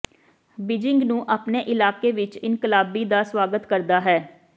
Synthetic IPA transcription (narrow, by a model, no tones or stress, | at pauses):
bɪd͡ʒɪŋɡnũːʔaːpneːʔɪlaːkeːʋɪt͡ʃɪnkɪlaːbiːd̪aːswaːɡət̪kəɾd̪aːɦɛː